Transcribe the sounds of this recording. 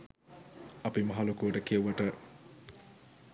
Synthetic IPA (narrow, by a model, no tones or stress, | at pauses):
ɐpimɐɦalokuʋəʈəkieʋəʈə